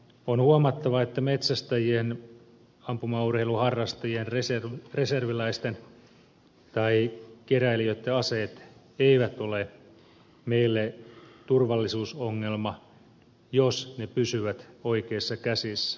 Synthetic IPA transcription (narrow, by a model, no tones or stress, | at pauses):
onhuɑmɑt̪ːɑʋɑet̪ːæme̞t̪sæst̪æjien | ɑmpumɑurheiluhɑrːɑst̪ɑjienresreserʋilæist̪en | t̪ɑikeɾæiliøt̪ːeɑse̞ːt̪ | eiʋæt̪o̞le | me̞ilːet̪urʋɑlːisuːsoŋːe̞lmɑ | josne̞pysyʋæt̪o̞ike̞ːsːɑkæsisːæ̥